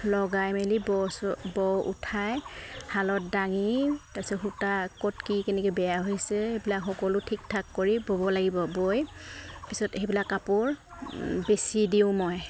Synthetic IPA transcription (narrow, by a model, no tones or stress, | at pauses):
lɔɡajmelibɔsbɔwʔṵtʰajhalɔt̚daŋitapisɔxutakɔtkikɛnɛkubɛjaɦojsɛebilakxɔkɔlʊtʰik̚tʰakːoɹibobɔlaɡibɔbojpisɔtejbilakːapʊɹ | besidiʊ̃mɔj